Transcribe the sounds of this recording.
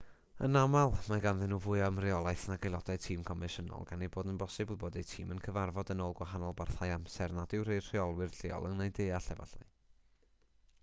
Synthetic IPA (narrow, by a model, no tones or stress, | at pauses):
ə̰namalˠmaɡanðɪnuvʊɨamrɪɔlˠajθnaɡejlˠɔd̥aɨtʰiːmkʰɔmɪʃənɔ̰lˠɡaneboːdənbɔsɨbɪlˠboːdejtʰiːmənkʰəvarvɔdənoːlˠɡwaɦanɔlˠbarθajamsɛrnadɪwrer̥iɔlˠwɪrɬɪɔ̰lˠəŋnajdejaɬɛva̰ɬa̰j